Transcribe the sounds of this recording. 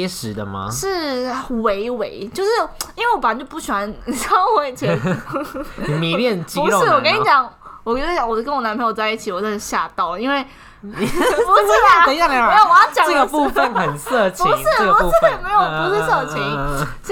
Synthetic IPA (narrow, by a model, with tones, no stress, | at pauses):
ʂɻ̩˨˦d̪ə˧ma̰˧ʂɻ̩˥˩we˧˥ɪwe˧˦ɪt͡ɕjo˥˧ʊʂɻ̩˥˩i˥nwe˥˩wɔ˧pt͡ɕjo˥˧ʊpu˥˩ɕi˨˩xwa˧˦nɕɑ˥˦we˧˥˩ɪt͡ɕʰɛ˧˨ | mi˨˦ljɛ˥˨nt͡ɕiu˧˦lʂɻ̩˥˩wɔ˨kə˧˥i˧˥t͡ɕjɑ˨˦ŋwɔ˨˩kːt͡ɕɑ˨˦ŋwɔ˨˩kə˦nwɔ˨˩na˧˥npʰt͡sa˥˧i˥˩t͡ɕʰi˨˩˦wɔ˨˩t͡ɕo˥˩ɕja˥˩t̪ɑ˥˩ʊi˥nwe˥˩ɪ | pu˧˥˧ə˧ja˥˧˨me˧˥jo˨˧˩t͡ɕjɑ˨ŋʈ͡ʂə˥˧˩ɡə˨˧pu˥˧fə˨nxə˨˩nsɤ˥˧˩t͡ɕʰpi˧˥˦ŋʂɻ̩˥˩˥ɡə˧u˧˦˥ʂ̩˥˧˨me˧˥ɪjo˨˩pu˧˥ʂɻ̩˥˧sɤ˥˩t͡ɕʰi˧˦ŋs